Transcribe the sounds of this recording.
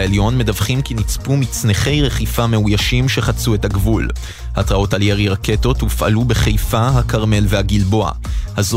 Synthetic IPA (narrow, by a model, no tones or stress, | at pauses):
eljo̞nme̞davχimkinit͡spumit͡sne̞χe̞jʁe̞χifame̞ujaʃimʃe̞χat͡sue̞thaɡvul | hatʁao̞taljeʁiʁake̞to̞tmufʔa̰lube̞χe̞jfaɦakaʁme̞lve̞haɡilbo̞a̰haz